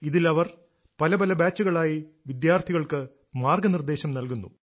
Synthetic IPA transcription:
iðilɐʋɐr | pɐlɐbɐlɐbaːt͡ɕːuɣɐɭaːjiʋid̪jaːrt̪ʰiɣɐɭkɨ | maːrɡɐnird̪e̞ːɕɐmnɐlkunːṵ

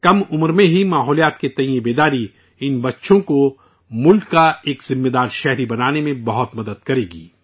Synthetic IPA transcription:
kɐmʊmɾmẽɦimaːɦɔːlijaːt̪ket̪ɐ̃j̃ẽbeːd̪aːɾi | ɪnbɐtːʃõko | mʊlkːaeːkzɪmːeːd̪aːɾʃɛɦɾibɐnaːnemẽbɐɦʊt̪mɐd̪əd̪̚kɐɾeːɡḭː

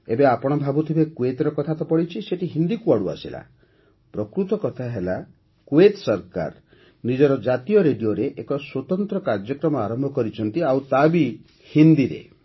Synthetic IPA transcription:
ebeapɔɽ̃ɔbʱabut̪ʰibekuet̪ɔɾɔkɔt̪ʰat̪ɔpɔɽit͡ʃʰiseʈiɦind̪ikuaɽua̰sila̰ | pɾɔkɾut̪ɔkɔt̪ʰaɦela | kuet̪sɔɾka̰ɾ | nid͡ʒɔɾɔd͡ʒat̪ijɔɾeɖijoɾeʔekɔswot̪ɔnt̪ɾɔkaɾd͡ʒɔkɾɔmɔaɾɔmbʱɔkɔɾit͡ʃʰɔnt̪iawt̪abi | hind̪iɾḛ

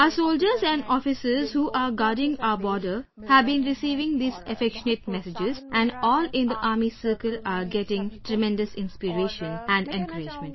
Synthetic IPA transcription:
əsoːld͡ʒəɾzæ̃ɳɖɔːfɪsəɾzhuːʔaːɾɡaːɖɪ̃ŋɡbɔːɖəɾ | hæʋbĩːnɾɪsiːʋɪ̃ŋd̪iːsəfɛkʃəneʈ̚mɛsɪd͡ʒɪzʔæ̃ɳɖɔːlɪ̃nd̪əʔaːɾmisəːɾkəlaːɡɛʈɪ̃ŋʈɾɛmɛ̃nɖəsɪ̃nspiɾeːʃə̃næ̃ɳɖɛ̃nkəɾɪd͡ʒmə̃ɳʈ

